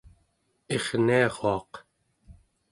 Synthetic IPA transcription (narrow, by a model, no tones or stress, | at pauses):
eχniɑʁoɑq